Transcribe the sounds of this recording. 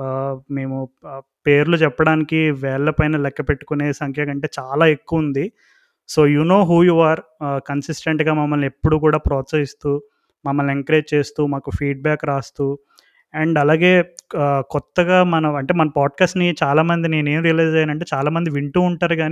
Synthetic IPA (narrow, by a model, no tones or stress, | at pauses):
me̞ːmupe̞ːɾulut͡ʃɛpːɐɽaːnikiʋɛːɭːɐpɐjnɐlɛkːɐpeʈːu̥kune̞ːsɐŋkʰjɐkɐɳʈe̞ːt͡ʃaːlaːekːuʋund̪i | so̞ːjuːno̞ːɦuːjuːaːɾkɐnsisʈeɳʈɡaːmɐmːɐlːepːuɽuk̬uːɽaːpɾɔːtsɐɦist̪uː | mɐmːɐleŋkɐɾeːd͡ʒt͡ʃe̞ːst̪uːmaːkufʰiːɖ̚baːkɾaːst̪uː | ɛɳɖɐlaːɡe̞ːkɔt̪ːɐɡaːmɐnɐɐɳʈe̞ːmɐnɐpaːɖ̚kaːsʈnit͡ʃaːlaːmɐnd̪ine̞ːne̞ːmɾijɐlɐjd͡ʒɐjaːnɐɳʈeːt͡ʃaːlaːmɐnd̪iʋiɳʈuːuɳʈaːɾuɡaːni